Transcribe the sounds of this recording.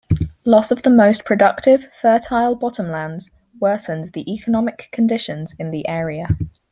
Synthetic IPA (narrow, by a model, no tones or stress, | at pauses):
lɒsəvðəməʊspʰɹ̥ədʌk̚tɪv̥fɜˑtʰaɪlˠbɒtə̃mlãndz̥ | wɜˑsə̃nðiʔiˑkʰənɒmɪkʰːə̃ndɪʃə̃nz̥ɪ̃nðiʔɛːɹiə